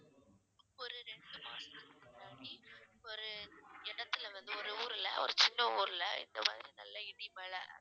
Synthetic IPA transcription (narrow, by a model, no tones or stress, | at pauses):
ɔɾɯɾɛɳɖɯmaːnɐnaːɽiɔɾɯɛɽɐt̪ːɪlɐʋɐnd̪ɯɔɾɯuːɾɪlɐ̰ɔ̰ɾɯt͡ʃɪnːɐuːɾɪlɐ̰ɪ̰nd̪ɐma̰ːðɪɾinɐlːɐɪɽimɐɭɐ